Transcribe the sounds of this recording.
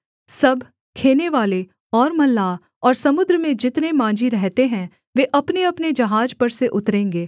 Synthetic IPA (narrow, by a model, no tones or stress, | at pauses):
sɐbʱ | kʰeːneʋaːle | ɔːɾmɐlːaː | ɔːɾsɐmʊd̪ɾəmẽd͡ʒɪt̪nemãːd͡ʒiɾɛɦt̪eɦɛ̃ | ʋeːʔɐpneɐpned͡ʒɐɦaːd͡ʒpɐɾseʔʊt̪ɾẽːŋɡeː